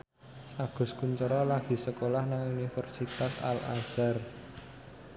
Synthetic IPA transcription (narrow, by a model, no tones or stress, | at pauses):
saɡ̥ʊ̤skuɲt͡ʃəɾɔlaɡ̥i̤səkolahnaŋunifɛrsit̪asa̰la̰sər